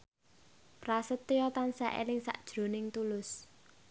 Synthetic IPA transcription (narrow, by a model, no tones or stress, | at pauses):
prasət̪ːejɔt̪ansa̰ʔḛlɪŋsa̰ʔd̥ʒ̥ɾo̤nɪŋt̪ulʊs